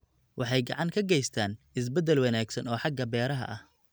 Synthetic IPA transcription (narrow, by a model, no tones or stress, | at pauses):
wʔɑħɑjɡɑ̰ʕɑŋkʰɐɡɛjst̪ʰaːn | ɪs̬bɛd̪ɛlwɑnaːɡsɐnɔːħɑɡɐbɛːɾɐɦɐ̰ʔɐh